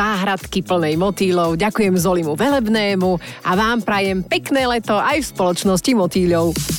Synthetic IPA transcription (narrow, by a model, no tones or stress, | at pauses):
aːɦɾat̪kipl̩nɛjmɔt̪iːlɔʊɟakujɛmzɔlimuʋɛlɛbnɛːmuaʋaːmpɾajɛmpɛknɛːlɛt̪ɔʔajfspɔlɔt͡ʃnɔscimɔt̪iːʎɔʊ